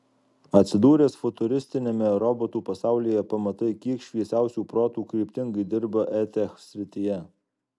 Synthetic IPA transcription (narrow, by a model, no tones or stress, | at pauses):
ɐt̪ʲsʲɪd̪uːɾʲeːsfʊt̪ʊɾʲɪsʲt̪ʲɪnʲemʲɛɾɔboːt̪uːpɐsɑˑʊlʲijɛpɐmɐt̪ɐɪkʲiɛkʃʲʋʲiɛsʲæˑʊsʲuːpɾoːt̪uːkɾʲiːpʲt̪ʲɪŋɡɐɪd̪ʲɪɾbɐʔɛt̪ʲɛxsʲɾʲɪt̪ʲɪjɛ